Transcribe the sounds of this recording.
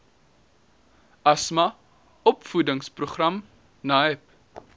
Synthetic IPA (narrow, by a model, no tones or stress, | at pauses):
ɐsmɐ | ɔpfudəŋspruχrɐm | naɛp̚